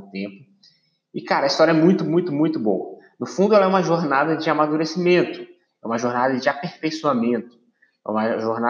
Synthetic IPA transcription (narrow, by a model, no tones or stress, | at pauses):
t̪ẽpʊ | ɪkaɾɐːist̪ɔɾjɐɛmũj̃t̪ʊmũj̃t̪ʊmũj̃t̪ʊbo̰ɐ̰nʊfũnd̪ʊɛlɐɛũmɐʒoɾnad̪ɐd͡ʒɪamad̪uɾesimẽnt̪ʊ̥ | ɛũmɐʒoɾnad̪ɐd͡ʒɪapehfejsuamẽnt̪ʊ̥ | ɛ̰ṵ̃mɐʒoɾna